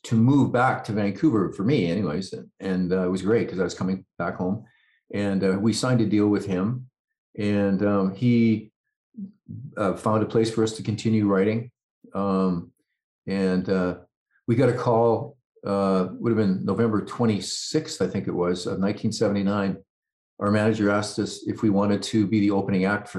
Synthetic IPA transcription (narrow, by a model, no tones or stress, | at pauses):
tʰɨmuvbæk̚tʰɨvæ̃nkʰʉvə˞fə˞miɛñiweɪz̥ɨ̃nʌɪt̚wʌzɡɹeɪt̚kʰʌzaɪwʌz̥kʰʌmɪ̃ŋb̥ækhõʊ̃m | ʔɨ̃nʌwisãɪ̃ntɨdilˠwɨð̥ɪ̃m | ɨ̃nʌ̃i | ʌfãʊ̃ndəpʰl̥eɪsfə˞ʌstʰɨkʰɨ̃n̩tʰɪ̃njʉɹaɪɾɪ̃ŋ | ʌ̃m | ɨ̃nʌ | wiɡɑɾɨkʰɔlˠ | ʌwʊɾɨvbɨ̃nːoʊvɛ̃mbə˞tʰw̥ɛ̃ɾ̃isɪkstaɪθɪ̃ŋkɨ̰ʔ̚wʌzʌ̰nãɪ̃ntʰĩnsɛvɨ̃n̩tinãɪ̃n | ʔə˞mænɨd͡ʒə˞æstʌsɨfwiwɑ̃ɾ̃ɨd̚tʰɨbiðioʊpəñɪ̃ŋæk̚tfə